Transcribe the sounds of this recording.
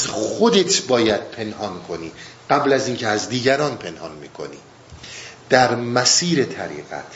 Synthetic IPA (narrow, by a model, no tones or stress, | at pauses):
zxo̞d̪et̪ʰbɒːjæd̪̥̚pʰe̞nhɒːnkʰo̞niːɢ̥æblæziːncʰeæzd̪iːɟæɾɒːnpʰe̞nhɒnmiːkʰo̞̰nḭː | d̪̥æɾmæsiːɾet̪ʰæɾḭːɣæ̰t̪ʰ